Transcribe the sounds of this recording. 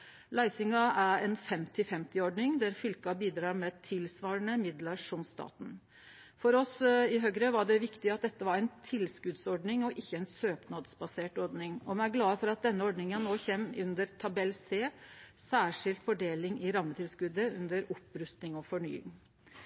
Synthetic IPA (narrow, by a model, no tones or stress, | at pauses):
læɪsɪŋɑʔæɾɛnfɛmt̪ɪfɛmt̪ɪɔɖɳɪŋd̪æɾfʏlkɑbiːd̪ɾɑːɾmɛt̪ʰɪlsʋɑːɾəɳəmɪd̪ləʂɔmst̪ɑ̰ːt̪n̩ | fɔɾɔsɪɦøːɡɾəʋɑɖɛʋɪkt̪ɪɑt̪̚d̪ɛt̪ːəʋɑɾæɪnt̪ʰɪlskʉd̪sɔɖnɪŋɔʔɪçːəɛnsøːpnɑd̪sbɑseːʈɔɾɖnɪŋɔmɛnæɾɡlɑːəfɔɾɑt̪̚d̪ɛnːəɔɖɳnɪŋənnoːçeːmːʉnd̪əɾt̪ʰɑbɛlːseːsæːʂɪlt̪fɔɖeːlɪŋɪɾɑmːət̪ʰɪlskʉd̪əʉ̰nd̪əɾɔpɾʉst̪nɪŋɔfɔɳy̰ːɪ̰ŋ